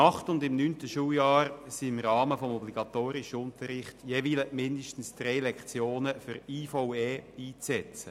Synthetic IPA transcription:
ɑχtʊndɪmnyːntəʃuːjɑːɾsiɪmɾɑːməfɔmɔbliɡ̥ɑtoːɾɪʃəʊntəɾɪχtjeːʋiːləmɪndəʃtən̩sd̥ɾɛjlɛkt͡sjoːnəfʏɾiːfowɛːiːt͡sɛt͡sə

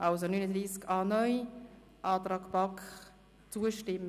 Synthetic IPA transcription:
ʔɑlsonyːnəd̪ɾiːskɑːnœʏj | ʔɑːt̪ɾɑːkpɑk | t͡suəʃtɪm

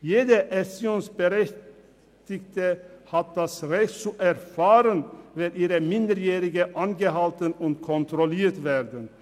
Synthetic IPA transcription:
jeːdəʔɛsjoːnsb̥əʁɛç | tɪktəhat̚d̥asʁɛçtt͡suʔɛɐfaːʁənvɛlʔiːʁəmɪndəɾjeːʁɪɡəʔanɡəɦaltənʊntkʰɔntʁ̥oliːɐtveːdən

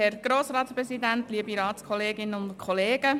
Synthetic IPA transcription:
hɛɾɡ̥ɾoːsɾɑːtspɾɛsid̪ænt̪liːəbiɾɑːtskʰɔleːɡɪnəʊntkʰɔleːɡ̥ə

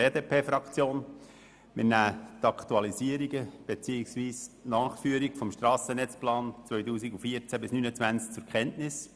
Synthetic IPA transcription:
eːdeːpʰeːfɾɑkt͡sjoːn | mɪnæːt̪ɑkt̪uɑlisiəɾiɡəb̥et͡siːɪksʋiːsnɑːχfyːəɾikfɔmʃtɾɑːsənɛt͡splɑːnt͡sʋœʏjtuːsiɡufiəɾt͡sæbɪsnyːnət͡svænt͡sk̚t͡sʊɾkχɛntnɪs

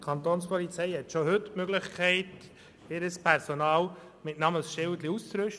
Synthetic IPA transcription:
kʰɑnt̪oːnspɔlit͡sɛɪhɛtʃoɦʏtmøɡləχkʰɛɪt | ɪɾəspʰɛɾsonɑːl | mɪtnɑməsʃɪldliust͡sɾʏʃ

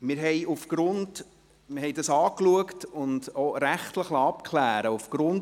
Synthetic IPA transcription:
mɪɾɦɛjufɡ̥ɾʊnd | mɪɾɦhɛjdɑsɑːkluəktʊndoɾæχtləχlɑɑpkʰlæːɾəufɡ̥ɾʊn

